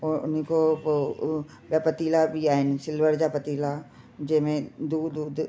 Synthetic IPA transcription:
ɔɾʊniko | bjapət̪iːlabʱiaːɦɪnɪsɪlʋəɾd͡ʒapɐt̪iːla | d͡ʒemẽd̪uːd̪uːd̪

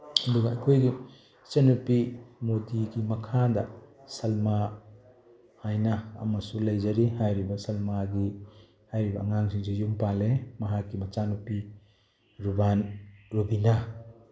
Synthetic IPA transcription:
ɐduɡɐɐjkʰojɡi | t͡ʃenupimodiɡimɐkʰadɐ | sɐlma | hajnɐɐ̰mɐsulɐjzɐɾiɦajɾibɐsɐlmaɡi | hajɾibɐːŋaŋsʰiŋsijumpalemɐɦakːimɐt͡ʃanupi | ɾubanɾubina

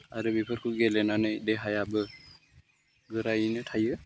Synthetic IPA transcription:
aɾɯbipʰɯɾkʰɯɡɛlɛnanɯjdɛɦajabɯ | ɡɯɾajinɯtʰajɯ

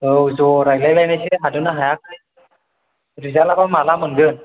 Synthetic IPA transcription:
ɯwzɔɾajlajlajnajsiɦadɯnaɦajak̚e | ɾizalakamalamɯnɡɯn

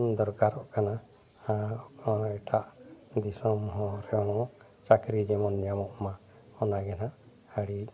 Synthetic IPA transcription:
d̪ɔɾkaɾɔʔkana | a | ɛʈʰaʔd̪isɔmɦɔ̃ɾɛɔnɔɔʔ | t͡ʃakɾid͡ʒɛmɔnjamɔʔma | ɔnaɡɛna | haɽi

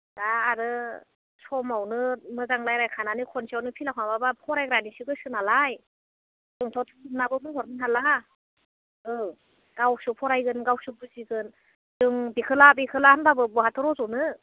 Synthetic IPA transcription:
daːɾɯ | sɔmawnɯmɯzaŋlajɾajkʰananɯkʰɔnsiawnɯpʰilakʰnababapʰɔɾajɡɾanisiɡɯsɯnalaj | d̥ɯŋtʰɔtʰɯɯnabɯbɯŋɦɔɾmɯnɦala | ɯ | ɡ̥awsɯpʰɔɾajɡɯnɡawsubɯziɡɯn | d̥ɯŋbikʰɯlabikʰɯlahanbabɯbɔɦatʰɯɾɔzɔnɯ

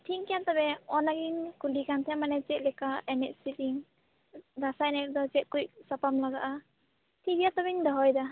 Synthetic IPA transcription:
tʰiŋkijant̪ɔbɛɔnaɡiŋkulikant̪ʰɛmanɛt͡ʃɛt̪̚lɛkaɛnɛʔ̚sit̪iŋ | d̪asaɛnɛk̚d̪ɔt͡ʃɛt̪̚kujʔ̚sapamlaɡaʔa | t̪ʰibijat̪ɔbiŋd̪aɦɔjd̪a

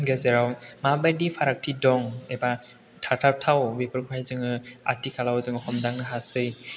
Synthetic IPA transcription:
ɡezeɾawmabajdipʰaɾak̚tʰidɔŋeba | tʰatʰap̚tʰawbepɯɾɡɾajzɯŋɯa̰tikʰalawzɯŋɯxʰɔmdaŋnɯɦasɯj

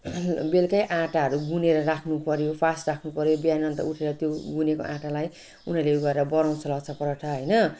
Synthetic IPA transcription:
belkʌjʔãʈaɦʌɾuɡuneɾʌrakʰnupʌɾjopʰasrakʰnupʌɾjobijanʌnt̪ʌ̰uʈʰeɾʌt̪joɡuneko̰ʔãʈalaj | unʌrleɡʌɾeɾʌbʌɾaw̃t͡sʰʌlʌkt͡sʰʌprʌʈʰʌɦʌjnʌ

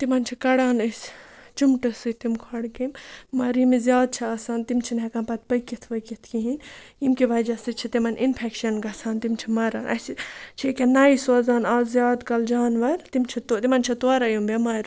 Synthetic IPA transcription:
t̪imɐnt͡ʃʰikɐɽaːnɐsʲt͡ʃumʈɨsɨt̪imkʰɐɽkimːɐɾimizʲjaːd̪̚t͡ʃʰiasaːnt̪imt͡ʃʰinɦɛkɐ̃npɐt̪̚pɐkit̪ʰʋɐkit̪ʰkiɦinimkiʋɐd͡ʒɐsɨt͡ʃʰit̪imɐnʔinpʰɛkʃɐnɡɐsaːnt̪imt͡ʃʰimɐɾaːnʔɐ̰st͡ʃʰikʲenaːisozaːnaːzʲjaːd̪kɐld͡ʒaːnʋɐɾt̪imt͡ʃʰit̪ot̪imɐnt͡ʃʰit̪oɾɐjumbemɐɾ

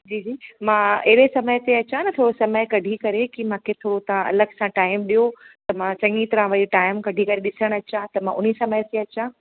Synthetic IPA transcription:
d͡ʑiːd͡ʑiːmãeɦɽesɐməjt̪eɐt͡ɕãnɐt̪ʰoːɽosɐməjkɐɖʱikɐɾekimãːkʰet̪ʰoːɽot̪ãɐ̰ləɡsãʈaːɪmɗijot̪ɐmãsɐ̃ŋɡit̪ɐɾãʋɐɾiʈaːɪmkɐɖʱikɐɾeɗɪsəɽ̃ɐt͡ɕãt̪ɐmãʔʊnisɐməjt̪eɐt͡ɕã

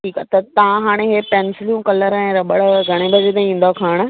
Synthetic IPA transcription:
ʈʰiːkat̪ɐt̪ɐʋãɦaːɽ̃eɦepɛ̃ːnsɪljũkɐləɾɛ̃ːɾɐɓəɽɡʱɐɽ̃ebʱɐd͡ʑet̪ẽĩːn̆d̪okʰaːɽ̃̆

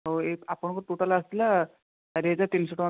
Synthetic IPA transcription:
ɦoekapəɳkot̪uʈʰalaəst̪ila | t̪aɾed͡zat̪insəʈʋa

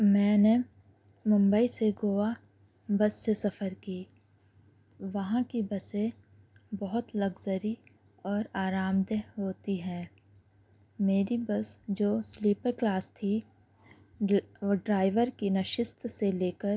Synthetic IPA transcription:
mɛ̃ːne | mʊ̃mbəiseɡoːa | bɐsːesɐfəɾkiː | ʋɐɦãkibɐsẽ | bɔɦʊt̪lɐɡzəɾi | ɔːɾaːɾaːmd̪əɦɦoːt̪iɦɛ̃ː | meːɾibəsd͡ʒoːsliːpəɾklaːst̪ʰi | ɖɾaːɪʋəɾkinɐʃɪst̪seleːkəɾ

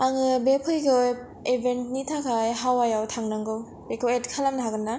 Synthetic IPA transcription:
aŋɯbepʰɯjkɯj | ebʱent̚nitʰakʰajɦawajawtʰaŋnaŋɡɯw | bekʰɯwet̚kʰalamnaɦaɡɯnːa

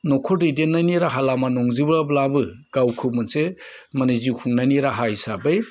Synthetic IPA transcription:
nɔkʰɔdidenːaniɾaɦalamanɔŋzibɾablabɯ | ɡ̥awkʰɯmɯnsemanizikʰuŋnaniɾaɦaisabɯj

